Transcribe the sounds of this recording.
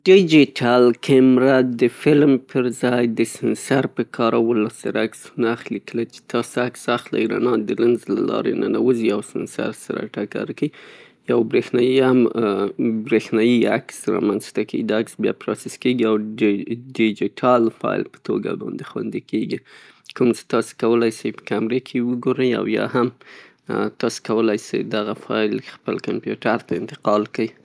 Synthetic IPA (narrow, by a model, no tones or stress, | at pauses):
ɖid͡ʒiʈʰalkʰɪmɾad̪əfɪlmpʰəɾzɑjd̪əsɪnsaɾpəkʰɑɾawəlasa̰ɾaksnaxlikəlat͡ʃe̥t̪ʰɑsaksaxla̰iɾa̰nɑd̪ələnzlalɑ̰ɾenanawəziawsɪnsa̰ɾsaɾa̰ʈaka̰ɾki | jawbɾexnɑjiam | bɾexnɑjiaksɾɑ̰manzt̪akḭd̪aksbjɑ̰pɾɑsɪskeɡiaw | ɖɪd͡ʒɪʈʰɑlfɑjlpə̥t̪oɡa̰bɑ̰nd̪exwa̰nd̪ikeɡi | kumt͡ʃe̥t̪ɑse̥kawəlajsajpə̥kamɾekʰewəɡoɾəja̰wjɑ̰ham | t̪ɑse̥kawəlajsa̰jd̪aɣafɑjlxpəlkampjuʈaɾt̪aɪnt̪ɪ̥qɑlkəj